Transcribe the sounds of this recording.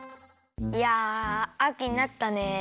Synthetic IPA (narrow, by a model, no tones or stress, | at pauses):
jaakʲiɲinat̪ːane